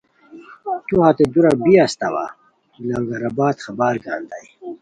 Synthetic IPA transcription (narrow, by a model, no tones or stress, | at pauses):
t̪uhat̪ed̪uɾabiast̪awa̰ | ilaŋɡaɾabaːt̪χabaːɾɡaːnd̪aj